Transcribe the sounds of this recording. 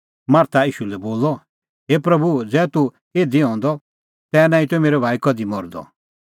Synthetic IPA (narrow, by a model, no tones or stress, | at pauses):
maːɾt̪aiːʃulɛboːlɔ | ɦeːpɾɐbud͡zɛːt̪u | eːd̪iɦɔ̃ːnd̪ɔ | t̪ɛːnãːĩt̪uɛmeːɾɛbʱaːikɔd̪imɔɾd̪ɔ̰